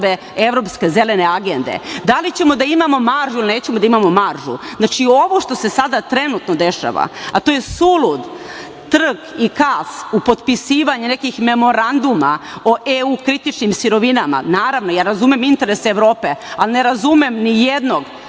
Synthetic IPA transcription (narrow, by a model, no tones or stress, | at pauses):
ʋe | eʋɾo̞ːpske̞zelene̞aɡe̞nd̪e̞̰d̪alit͡ɕe̞mo̞d̪aimamo̞maɾʒuilineːt͡ɕemod̪aimamo̞maɾʒṵznat͡ʃio̞ʋoʃt̪o̞sesad̪at̪ɾe̞nut̪nod̪e̞ʃa̰ʋa̰at̪o̞jesulˠud̪ | t̪r̩ɡikasupo̞t̪pisiːʋaɲene̞kixme̞mo̞ɾand̪uma̰oʔeukɾit̪it͡ʃnimsiɾo̞ʋinama̰naːɾaʋno̞jaːɾazumemint̪e̞ɾe̞seːʋɾo̞ːpe̞alne̞ɾazumemnijed̪no̞ɡ